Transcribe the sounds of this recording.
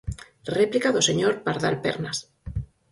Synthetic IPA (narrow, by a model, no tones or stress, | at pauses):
replikaðoseɲoɾpaɾðalpḛɾnas